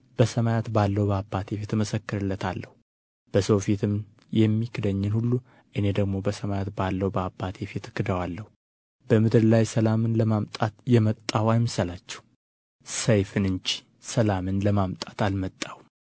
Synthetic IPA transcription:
b̥əsəmajat̪balːəwbəabːat̪ʰe̞fit̪məsəkːɨɾɨlːət̪ʰalːəhu | b̥əsowfit̪ʰɨm | jɛmːikʰɨd̪əɲːɪnhulːu | ʔɨne̞d̪əɡmo̞bəsəmajat̪balːəwbəabːat̪ʰefit̪ɨkːɨd̪əwalːəhu | b̥əmɨd̪ɨɾlajsəlamɨnləmamt̪ʼat̪jɛmət̪ʼːawajmɨsəlat͡ʃːɛ̥w | səjfɨnɨnt͡ʃi̥ | səlamɨnləmamt̪ʼḁt̪almət̪ʼːawu

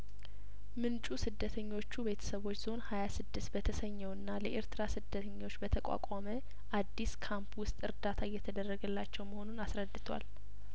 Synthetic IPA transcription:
mɨnt͡ʃʼusɨd̪ːət̪ʰəɲːo̞t͡ʃːube̞t̪ʰə̥səβo̞t͡ʃːz̥o̞nhajasɨd̪ːɨst̪̚bət̪ʰəsəɲːɛwɨnːaləʔeɾt̪ɨɾasɨd̪ːət̪ʰəɲːo̞t͡ʃːbət̪ʰəkʷʼa̰kʷʼamə | ʔad̪ːiskʰampwʊst̪ʼɨɾd̪at̪ʰaɨjːɛt̪ʰəd̪ərːəɡəlːat͡ʃːɛwməho̞nunasɾəd̪ːɨt̪ʰwa̰l

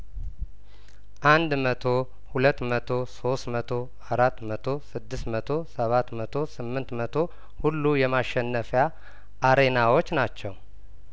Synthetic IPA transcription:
ʔand̪mət̪ʰo̞ | hulət̪ːmət̪ʰo̞so̞st̪mət̪ʰo̞ | aɾat̪ːmət̪ʰo̞sɨd̪ːɨst̪mət̪ʰo̞səβat̪ːmət̪ʰo̞sɨmːɨnt̪mət̪ʰo̞ | hulːujɛmaʃːɛnːəfja | ʔːɾe̞nawot͡ʃːnat͡ʃːɛw

